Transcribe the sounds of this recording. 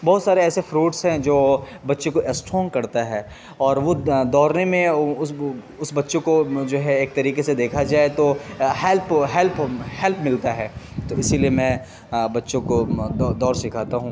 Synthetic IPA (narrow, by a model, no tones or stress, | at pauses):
bɔɦʊt̪saːɾeɛːsefɾuːʈsɦɛ̃d͡ʒoː | bɐtːʃõkoʔɛsʈɾɔːŋkɐɾt̪aɦɛː | ɔːɾʋod̪ɔːɾnemẽʊ | ʊsbɐtːʃõkod͡ʒoːɦɛeːk̚t̪ɐɾiːkesed̪eːkʰad͡ʒaːet̪ohɛlpɦɛlphɛlpmɪlt̪aɦɛːt̪oɪsiliemɛ̃ | bɐtːʃõkod̪ɔd̪ɔːɾsɪkʰaːt̪aɦũː